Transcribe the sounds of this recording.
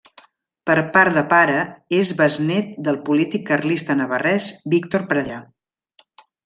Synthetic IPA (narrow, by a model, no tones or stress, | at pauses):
pəɾpaɾðəpaɾəezβəznɛt̪̚d̪əlˠpulit̪ikːəɾlist̪ənəβ̞ərɛzbikt̪oɾpɾəða